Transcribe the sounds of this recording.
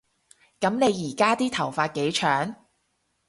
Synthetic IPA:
kɐ˨˥mne˨˧jiː˨˩kaː˥t̪iː˥t̪ʰɐ˨˩wfaː˧t̚ke˨˧˥jt͡ʃʰœː˨˥ŋ

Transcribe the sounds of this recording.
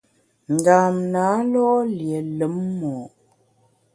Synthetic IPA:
n˨daː˨mnaː˨˦lɔ˦ʔlje˨lə˨˦mːɔː˨

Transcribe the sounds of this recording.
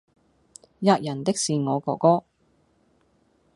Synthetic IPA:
jaː˧k̚jɐ˨˩nt̪ɪ˥k̚siː˨ŋɔː˨˧kɔː˧kɔː˥

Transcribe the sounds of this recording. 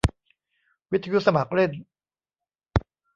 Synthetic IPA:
wi˦˥t̪ʰa˧ju˦˥sa˧ma˨˩k̚ɾe˥˩n

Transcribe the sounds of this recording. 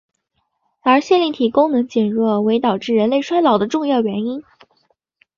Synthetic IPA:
ə˞˧˥ɕjɛ˥˧nli˥˩t̪ʰi˨˩kʊ˥ŋnɤ˧˥ŋt͡ɕjɛ˨˩nɻwɔ˥˩we˧˥ɪt̪ɑ˨˩ʊʈ͡ʂɻ̩˥˩ɻə˧˥nle˥˩ɪʂwa˥ɪlɑ˨˩ʊd̪ə˦ʈ͡ʂʊ˥˧ŋjɑ˥˩ʊɥɛ˧˥ni˥n

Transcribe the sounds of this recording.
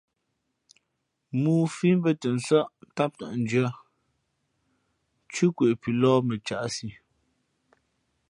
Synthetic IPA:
muː˨fi˦m˦bə˦tə˨n˨sa˦ʔta˦p̚ta̰˨ʔn˨˦d͡ʒa˦ | t͡ʃʉ˦kwe˨ʔpi˨lɔː˦mə˨t͡ʃa˨ʔsi˨

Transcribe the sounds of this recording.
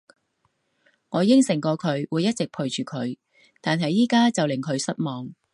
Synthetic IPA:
ŋɔː˨˧jɪ˥ŋsɪ˨˩ŋkɔː˧kʰɵ˨˧ɥwuː˨˧jːɐ˥t̚t͡sɪ˨k̚pʰu˨ɥt͡ʃyː˨kʰɵ˨˧ɥ | t̪aː˨nɦɐ˨jːiː˥kaː˥t͡sɐ˨wlɪ˨˩ŋkʰɵ˨˧ɥsɐ˥t̚mɔː˨ŋ

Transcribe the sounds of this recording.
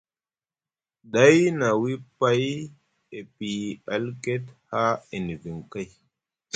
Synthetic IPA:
ɗa˦jna˨wi˦pa˦j | e˨pi˨a˨lke˦tha˦i˨n˨vi˨ŋka˦j

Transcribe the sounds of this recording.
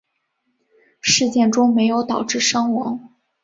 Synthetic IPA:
ʂɻ̩˥˧t͡ɕjɛ˥˩nʈ͡ʂʊ˥ŋme˧˥ɪjo˧˥ʊt̪ɑ˨˩ʊʈ͡ʂɻ̩˥˩ʂɑ˥ŋwɑ̰˧˥ŋ

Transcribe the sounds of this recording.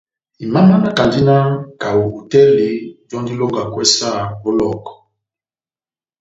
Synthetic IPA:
i˨ma˦ma˦na˦ka˨ndi˦na˦ka˨wu˨hu˨tɛ˦le˨d͡ʒɔ̃˦ndi˦lo˦ŋɡa˨kwɛ˦sa˦˨o˦lɔ˦˨kɔ˨

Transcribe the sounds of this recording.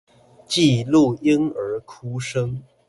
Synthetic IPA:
t͡ɕi˥˧lu˥˩i˥ŋə˧˥kʰu˥ʂɤ˥ŋ

